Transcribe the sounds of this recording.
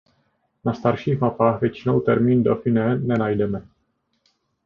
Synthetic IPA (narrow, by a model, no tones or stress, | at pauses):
nast̪aɾʃiːxmapaːxvjɛt͡ʃinowt̪ɛɾmiːndofinɛnɛnajdɛmɛ